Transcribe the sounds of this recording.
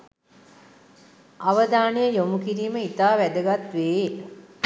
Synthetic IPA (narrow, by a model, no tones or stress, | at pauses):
aʋəd̪aːnejəjomukiɾiːməit̪aːʋæd̪əɡat̪ʋeː